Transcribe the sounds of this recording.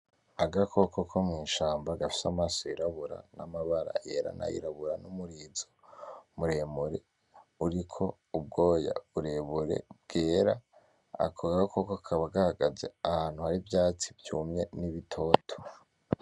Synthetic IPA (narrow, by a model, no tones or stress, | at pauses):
aɡakʰo̞kokʰomŋiːnʃaːmbaɡafi̥samaːsojiɾaβuɾa̰namaβaɾa̰jeɾa̰na̰jḭɾaβuɾanumuɾizomuɾe̞muɾe̞̰ | uɾikʰo̞ | ub̚ɡo̞ːja̰βuɾe̞βuɾe̞̰b̚ɡ̥e̞ːɾa | a̰kʰoɡkokokʰaβaɡahaɡaze̞̰ahaːn̥huhaɾivjaːt͡sivjumɲe̞niβitʰo̞ːtʰo̥